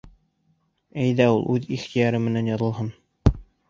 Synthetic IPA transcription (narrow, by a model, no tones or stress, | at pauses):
æjðæulˠʔʉðiχt̪ijɑɾɤmɘ̆nænjɑðɤ̆lˠɦɤn